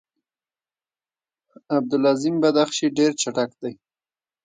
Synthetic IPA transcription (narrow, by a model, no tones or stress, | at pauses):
ab̚d̪ʊlɑzimbad̪axʃiɖeɾt͡ʃaʈakd̪aj